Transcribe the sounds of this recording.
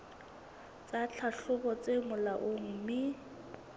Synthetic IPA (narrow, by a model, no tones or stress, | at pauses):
t͡sʼat͡ɬʰaɬʊbɔt͡sʼemʊlaʔʊŋ̩ːmɪ